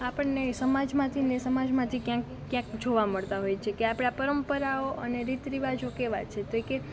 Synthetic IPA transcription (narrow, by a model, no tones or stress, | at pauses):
apəɳnesəmad͡ʒmãt̪ʰinesəmad͡ʒmãt̪ʰikjãkːjãkd͡ʒʱoʋaməɭt̪aɦojt͡ʃʰekeapɽ̃apəɾəmpəɾaoʔəneɾit̪ɾiʋad͡ʒokeʋa̰t͡ʃʰet̪oeke